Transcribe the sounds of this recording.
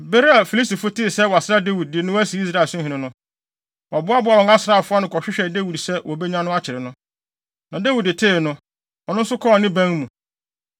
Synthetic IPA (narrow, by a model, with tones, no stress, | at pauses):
be˦ɾa˨fi˨li˦sti˨fʊ˦tʰɪ˦˨sɛ˦wɔ˨a˨sɪ˦ɾa˦de˦wi˨d̚dɪ˨nʊ̃˦æ˦si˨˦i˦s̬ɾa˦˨sʊ̃˦ɦɪ̃˨nɪ̃˨nʊ̃˦ | wɔ˨bʊ˦a˦bʊ˦a˨wɔ˨ŋa˦sɪɾa˦˨fʊ˦a˦nʊ̃˨kʰɔ˨ɕᶣɪ˦ɕᶣɛ˨de˦wi˨dsɛ˦wɔ˨bɛ˦ɲã˦nʊ̃˦a˦t͡ɕʰɪ˨ɾɪ˨nʊ̃˦ | nã˨de˦wu˨dɪ˨tʰe˦˨nʊ̃˦ | ɔ˨nʊ̃˦n̩˦sʊ˦kʰɔ˦˨nɪ̃˦bæ̃˦ŋ˦mũ˨